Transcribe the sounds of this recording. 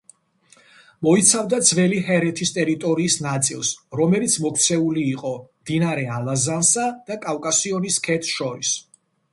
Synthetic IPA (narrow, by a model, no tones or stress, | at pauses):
mɔit̪sʰavd̪ad̪zvɛliɦɛɾɛt̪ʰist̪ʼɛɾit̪ʼɔɾiːsnat̪sʼḭlˠsɾɔmɛlit̪sʰmɔkʰt̪sʰɛuliːqʼɔmd̪̥inaɾɛalˠazansad̪̥akʼawkʼasiɔniskʰɛt̪ʰʃɔɾis